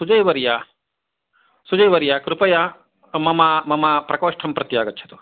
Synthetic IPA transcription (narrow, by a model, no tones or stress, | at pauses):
sud͡ʒɐjʋɐɾja | sud͡ʒɐjʋɐɾjakɾupɐja | mɐmɐmɐmɐpɾɐkoːʂʈʰɐmpɾɐt̪jaːɡɐtːt͡ʃʰɐ̥t̪u